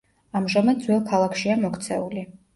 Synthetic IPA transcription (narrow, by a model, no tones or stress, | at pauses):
amʒamad̪d̪zwɛlˠkʰalˠakʰʃiamɔkʰt̪sʰɛuli